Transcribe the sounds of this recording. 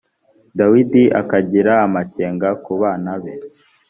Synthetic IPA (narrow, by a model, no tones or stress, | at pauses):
dawidiʔa̰kaɟiɾaːmaceːŋɡakuβaːnaβe